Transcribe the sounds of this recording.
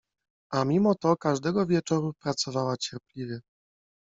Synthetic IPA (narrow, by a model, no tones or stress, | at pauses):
amʲimɔt̪ɔkaʐd̪ɛɡɔvʲjɛt͡ʂɔɾupɾat̪sɔvawat͡ɕɛɾplʲivʲjɛ